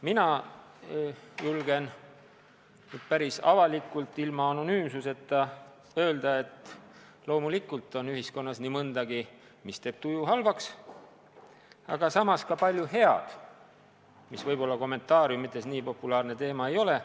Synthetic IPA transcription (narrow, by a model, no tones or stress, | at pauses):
minɑ | julɡ̥e̞n | nyd̪̥̚pæɾisɑ̰vɑlikːˑult̪ːˑilmɑɑno̞nyːmsuse̞t̪ːɑ | ø̞ːld̪̥ɑe̞t̪ːˑ | lo̞ːmulikult̪ˑːo̞nyhisko̞nːɑsnimɤnd̪̥ɑɡ̥i | mist̪e̞ːb̥̚t̪ujuɦɑlvɑks | ɑ̰ɡ̥ɑsɑmɑskɑpɑlʲjuɦe̞ɑ̰d̪̥ | misvɤjbo̞lːɑko̞mːe̞nt̪ːˑɑːɾjummit̪ːˑe̞sniːpo̞pːˑulɑːrne̞t̪e̞ːmɑe̞jo̞le̞